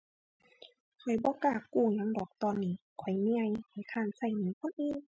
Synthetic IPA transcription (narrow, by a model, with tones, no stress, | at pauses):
kʰɔ˨˩jbɔː˧˦kaː˧˩kkːuː˧˩ɲa˧˦ŋdɔː˨˩k̚t̪ɔː˧˨nːiː˧˩kʰɔ˨˩jmi˧a˧˨jha˨˩jkʰaː˧˩˨nsa˧˩jniː˧˦kʰo˧˥˨nʔeː˧ŋ